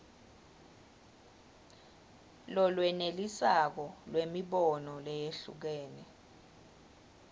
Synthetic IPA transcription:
lɔlwɛnelisak̬ɔlwemiɓɔnɔlɛjeɬṵk̬ɛːnɛ

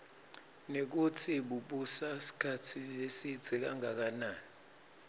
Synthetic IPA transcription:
nek̬utʰiɓuɓusasi̥kʰatʰilesit͡sɛk̬aŋak̬anaːni

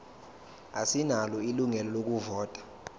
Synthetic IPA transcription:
asinalɔiluŋɛlɔlok̬uvɔːtʼḁ

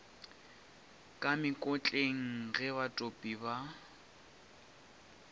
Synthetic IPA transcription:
kʼamɪkʼʊt͡ɬʼeŋ̩ɣɛβatʼopʼiba

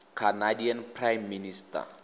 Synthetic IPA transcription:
kʰanadianpʰrajmːinista̰

